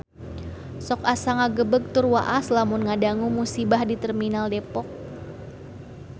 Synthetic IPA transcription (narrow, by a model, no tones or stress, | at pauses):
sɔkasaŋaɡəbəɡ̚t̪ʊrwa̰ʔaslamʊnŋadaŋumusibahdit̪ərminaldepɔk̚